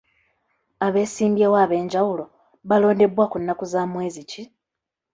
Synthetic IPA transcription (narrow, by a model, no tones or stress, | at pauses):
aβe̞ːsiːmbjewaːβe̞ːɲɟawulo̞ | βalo̞ːnde̞βwaːkunːakuzaːmwe̞ːzici